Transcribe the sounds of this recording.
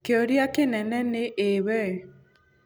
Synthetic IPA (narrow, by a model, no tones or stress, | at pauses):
keoɾjakenɛnɛneʔewɛ